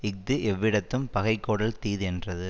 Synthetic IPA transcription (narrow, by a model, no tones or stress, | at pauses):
ɪk̚d̪ɯʔɛʋːɪɽɐt̪ːɯmpɐɣɐɪkːoːɽɐlt̪iːðɛndrɐðɯ